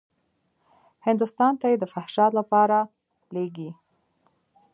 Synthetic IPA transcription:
hɪnd̪ust̪ɑnt̪ajed̪əfahʃɑt̪lapɑɾa | leɡi

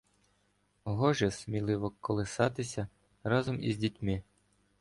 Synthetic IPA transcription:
ɦɔʒɛsʲmʲilˠɪʋɔkɔlˠɪsɑt̪ɪsʲɐ | ɾɑzɔmḭzʲdʲitʲmɪ

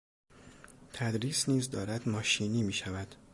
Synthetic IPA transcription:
t̪ʰæd̪ɾiːsniːzd̪ɒːɾæd̪mɒːʃiːniːmiːʃævæd̪̥

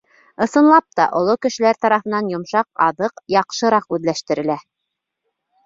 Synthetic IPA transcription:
ɤ̆sɤ̆nlˠɑp̚t̪ɑ̰ʔŏlˠokɘ̆ʃɘ̆læɾt̪ɑɾɑfɤ̆nɑnjŏmʃɑq̚ɑðɤqjɑqʃɤ̆ɾɑqʉðlæʃt̪ɘ̆ɾɘ̆læ

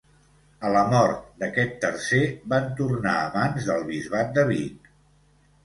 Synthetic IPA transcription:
ələmɔɾt̪̚d̪əkɛt̪ːərseβant̪urna̰əβanzðəlˠβizβat̪̚d̪əβ̞it̪

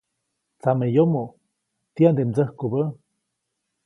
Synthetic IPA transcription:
t͡samejomo | t̪iand̪emd͡zəhkubə

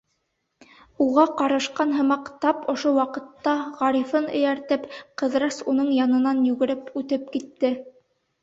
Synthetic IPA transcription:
uʁɑqɑɾɤ̆ʃqɑnɦɤ̆mɑqt̪ɑpŏʃowɑqɤ̆t̪ːɑʁɑɾifɤnɘ̆jæɾt̪ɘpqɤ̆ðɾɑsunɤɴjɑnɤ̆nɑnjʉɡɘ̆ɾɘpʉt̪ɘpkit̪ːɘ

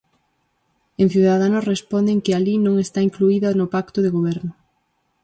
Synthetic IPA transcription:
ẽŋθjuðaðanʊsrespond̪eŋkɪalinõŋest̪aiŋkluiðɐnʊpakt̪ʊðeɣoβ̞ɛɾnʊ

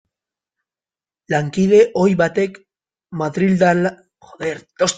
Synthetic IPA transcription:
laŋkiðe̞ʔo̞jβat̪e̞k | maðɾild̪al | xoðeɾt̪os

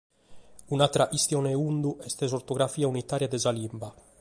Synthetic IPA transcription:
unat̪ɾaʔist̪jɔnɛund̪uʔɛst̪ɛzort̪ɔɡɾafiːaunit̪aːɾjad̪ɛzalimba

